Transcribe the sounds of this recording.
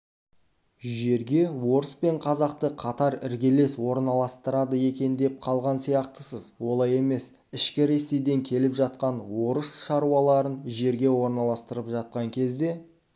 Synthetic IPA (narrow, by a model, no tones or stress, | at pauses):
ʒe̞ɾɡʲe̞wo̞ɾəspe̞ɴqʰɑzɑqt̪əqʰɑt̪ɑɾɪɾɡʲe̞le̞swo̞ɾnɑlˠɑst̪əɾɑd̪əje̞kʲe̞nd̪e̞p̚qʰɑlˠʁɑnsijɑqt̪əsəzwo̞lˠɑje̞me̞s | ɪʃkʲɪɾe̞se̞jd̪e̞ŋkʲʰe̞lɪpʒɑt̪̚qɑnwo̞ɾəsʃɑɾuɑlˠɑɾənʒe̞ɾɡʲe̞wo̞ɾnɑlˠɑst̪əɾəpʒɑt̪̚qɑŋkʲʰe̞zd̪e̞